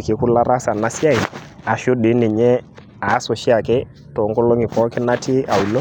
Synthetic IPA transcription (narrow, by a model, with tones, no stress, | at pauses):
kɪ˨˦ku˦la˦ɾa˦sa˨na˦sja˦i˨ | a˨ʃo˦dɪ˨˦ni˨ɲɛ˦ | a˨˦so˨ʃi˦a˨kɪ˦ | tɔ˨ŋko˦lo˦ŋɪ˨pɔ˦kɪ˦na˦tʰi˦a˨u˨lo˦